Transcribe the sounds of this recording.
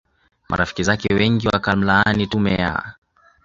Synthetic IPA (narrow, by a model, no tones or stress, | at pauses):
mʔa̰ɾafi̥kizakɛwɛŋɡiwakam̩laanitumɛja̰